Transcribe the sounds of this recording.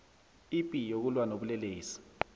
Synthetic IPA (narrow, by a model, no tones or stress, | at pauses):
ipʼijok̬ulwanoɓulɛleːsi̥